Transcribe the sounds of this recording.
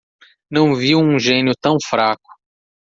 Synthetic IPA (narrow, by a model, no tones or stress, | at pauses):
nɐ̃w̃viwũʒẽnjʊt̪ɐ̃w̃fɾakʊ̥